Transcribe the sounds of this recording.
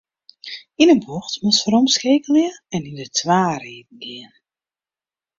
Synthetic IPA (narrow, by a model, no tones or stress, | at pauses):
inənboxtmɔsfəɾɔmskeːkəliəɛnindətʰʋaːriːd̚n̩ɡɪən